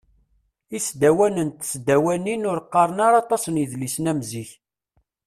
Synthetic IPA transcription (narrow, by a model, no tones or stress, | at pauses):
isd̪æwænənt̪sd̪æwæninʊɾqːɑɾˤənɑɾˤɑt̪ˤɑsənjiðlisnæmziç